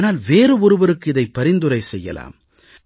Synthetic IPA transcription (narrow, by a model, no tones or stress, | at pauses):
naːlʋeːɾɯɔɾɯʋɐɾɯkːɯɪðɐɪpːɐɾɪnd̪ɯɾɐɪsɛjːɐ̰la̰ːm